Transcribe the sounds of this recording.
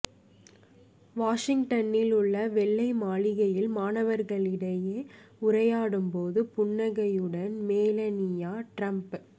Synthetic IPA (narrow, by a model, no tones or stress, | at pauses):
ʋaːʂɪŋʈɐnɪlʊɭːɐʋɛɭːɐɪmaːɭɪɣɐjɪlmaːnɐʋɐɾɣɐɭɪɽɐjeːʊɾɐjaːɽɯmpoːðɯpʊɳːɐɣɐjɯɽɐnmeːlɐnɪjaːʈɾɐmp